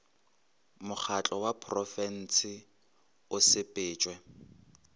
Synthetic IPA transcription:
mʊk͡xʰat͡ɬʼɔwapʰrɔfɛn̩sɪ | ʊsɪpʼɪːt͡ʃʼwɛ

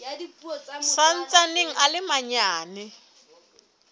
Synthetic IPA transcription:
san̩t͡sanɪŋ̩alɪmaɲaːnɪ

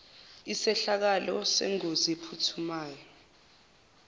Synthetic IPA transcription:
isɛɬak̬alɔsɛ̰ŋoziepʰutʰumaːjɔ

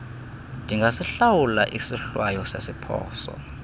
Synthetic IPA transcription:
ndʱiŋɡʱasiɬawulaʔisiɬwajɔsasipʰɔ̰ːsɔ̰

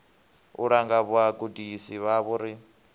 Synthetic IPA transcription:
uɺaŋɡaβuaɡudisiβaβuɾi

